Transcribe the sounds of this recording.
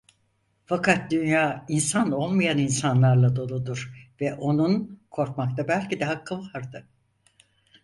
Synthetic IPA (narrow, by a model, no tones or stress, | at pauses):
fakʰat̪̚d̪ynjaːinsano̞lˠmajaninsanlˠaɾlˠad̪o̞lˠud̪uɾ̥vɛʔo̞nunkʰo̞ɾkmakt̪ʰabælʲcid̪ɛɦakʰːɯnvaɾd̪ɯ